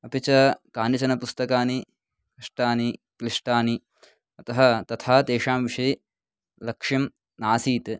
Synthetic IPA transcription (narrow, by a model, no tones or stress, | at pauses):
ɐpit͡ʃɐkaːnit͡ʃɐnɐpust̪ɐkaːni | kɾiʂʈaːnikliʂʈaːni | ɐt̪ɐɦɐt̪ɐt̪ʰaːd̪eːʂaːmʋiʂɐj | lɐkʂim | naːsiːt̪